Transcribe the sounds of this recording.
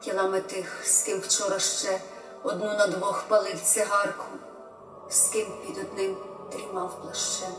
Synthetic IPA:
tʲilˠɑmɪt̪ɪxskɪwwt͡ʃɔɾɐʃt͡ʃɛ | ɔd̪nunɐd̪ʋɔxpɐlˠɪw̪t͡s̪ʲɪɦɑrkʰʊ | skɪmpʲid̪ɔd̪nɪm | t̪ɾʲimɑwplˠɐʃt͡ʃɛ

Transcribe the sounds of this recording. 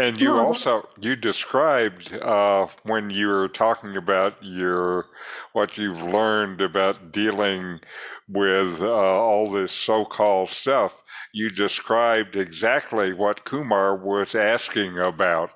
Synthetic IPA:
ɨ̃njɨɔlˠsoʊjɨdɨskɹaɪb̚dʌwɨ̃njɨə˞tʰɔkɪ̃ŋɨbaʊt͡ʃə˞wʌt͡ʃʉvlɜ̃˞ndɨbaʊt̚d̥ilˠɪ̃ŋwɪðʌɔlˠðɪsoʊkʰɔlˠd̥stʌfjɨdɨskɹaɪb̚dɨɡzæk̚tˡliwʌt̚kʰʉmɑɹwʌzæskɪ̃ŋəbaʊt̚

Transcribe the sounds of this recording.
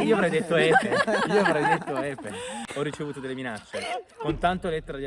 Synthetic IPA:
iːoavɾɛjd̪et̪ːoɛpːeiːoavɾɛjd̪et̪ːoɛpːḛɔrːit͡ʃevuːt̪od̪elːeminat͡ʃːekont̪ant̪olɛt̪ːeɾad̪ia

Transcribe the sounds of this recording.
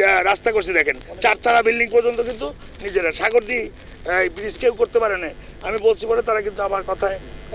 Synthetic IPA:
ɾast̪akoɾs̬id̪ɛkʰent͡ʃaɾt̪ʰaɾabilɖiŋpɔɾd͡ʒont̪okint̪u | nid͡ʑeɾaʃaɡoɾd̪i | bɾiskewkoɾt̪epaɾena | amibolt͡ʃʰibɔlet̪aɾakint̪uamaɾkɔt̪ʰae

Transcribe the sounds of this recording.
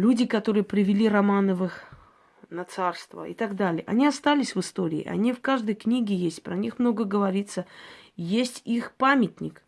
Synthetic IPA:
lʲudʲɪkɐt̪o̞ɾɨjəpɾʲɪvʲɪlʲiɾɐmanəvɨx | nɐt̪sarst̪və̰ɪ̰t̪aɡd̪alʲɪjəʔɐ̰nʲiɐst̪alʲɪsʲvɨst̪o̞ɾʲɪ̰ːʔɐ̰nʲifkaʐd̪əjknʲiɡʲɪjesʲtʲpɾɐnʲixmno̞ɡəɡəvɐɾʲit̪səjesʲtʲixpamʲɪtʲnʲɪk

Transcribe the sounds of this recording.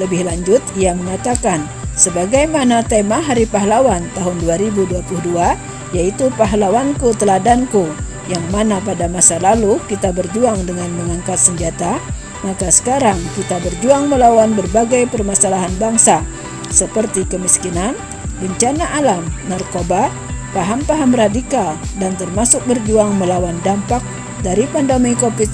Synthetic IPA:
ləbɪhlaɲd͡ʒʊt̪iaməŋat̪akan | səbaɡajmanat̪emaɦaɾipaɦlawant̪aɦʊnduaɾibuduapuludua | jait̪upaɦlawankut̪əladanku | jaŋmanapadamasalalukit̪abərd͡ʒuaŋdəŋanməŋaŋkat̪̚səɲd͡ʒat̪a | makasə̥kaɾaŋkit̪abərd͡ʒuaŋməlawanbərbaɡajpərmasalaɦanbaŋsa | səpərt̪ikəmiskinan | bəɲt͡ʃanaʔalamnarkoba | paɦampaɦamradikaldant̪ərmasʊk̚bərd͡ʒuaŋməlawandampak̚ | daɾipandamajkopɪt̪̚

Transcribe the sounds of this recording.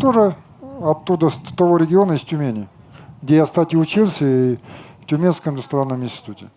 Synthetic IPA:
t̪oʐɨ | ɐt̪ːud̪əst̪ɐvoɾʲɪɡʲɪo̞nəɪsʲtʲʊmʲenʲɪə | ɡdʲejast̪atʲiʊt͡ɕilˠsʲəiftʲʊmʲenskəmɪnd̪ʊst̪ɾanːəmɪnʲsʲtʲɪ̥t̪utʲɪ

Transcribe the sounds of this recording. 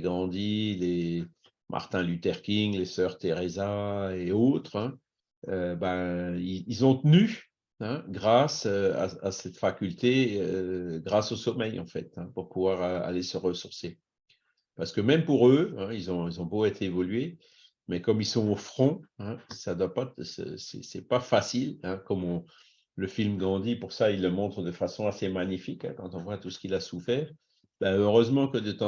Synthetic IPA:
ɡʁɑ̃d̪ile | mʔa̰ʁt̪ɛ̃lyt̪ɛʁkʲiŋlesœʁt̪eʁezaeot̪χɛ̃ | øbaiilzɔ̃t̪əny | ɛ̃ɡʁasøa̰a̰sɛt̪fakʲylt̪eøɡʁasosɔmɛjɑ̰̃fɛ̰t̪ɛ̃puʁpuvwaʁa̰lesəʁəsuʁse | paʁsə̥kəmɛmpuʁøɛ̃ilzɔ̃ilzɔ̃boet̪ʰeevɔlɥe | mɛkɔmilsɔ̃ofχɔ̃ɛ̃sad̪wapasə̰sɛ̰sɛpafasilɛ̃kɔmɔ̃ | ləfilmɡɑ̃d̪ipuʁsailːəmɔ̃t̪χəd̪əfasɔ̃asemaɲifikɛ̰̃kɑ̃t̪ɔ̃vwat̪usə̥kilasufɛːʁ | b̥aøʁøzmɑ̃kəd̪ət̪ɑ̃

